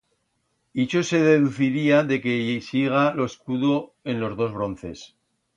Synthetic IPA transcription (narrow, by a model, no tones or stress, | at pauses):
it͡ʃose̞ð̞e̞ðuθiɾiaðe̞ke̞siɣ̞alo̞eskuðo̞e̞nlo̞zðo̞zβ̞ɾo̞nθe̞̰s